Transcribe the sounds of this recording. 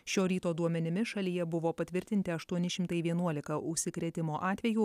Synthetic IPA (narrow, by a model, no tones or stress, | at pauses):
ʃʲoːɾʲiːt̪oːd̪uɔmʲɛnʲɪmʲɪʃɐlʲijɛbʊʋoːpɐt̪ʲʋʲɪɾʲt̪ʲɪnʲt̪ʲɪɐʃt̪uɔnʲɪʃʲɪmt̪ɐɪʋʲiɛnuɔlʲɪkɐʔʊʃʲsʲɪkɾʲɛt̪ʲɪmoːʔɑːt̪ʲʋʲɛjuː